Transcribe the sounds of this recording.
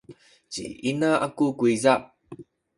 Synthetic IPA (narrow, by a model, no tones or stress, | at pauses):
t͡ɕḭʔinaʔakukuiza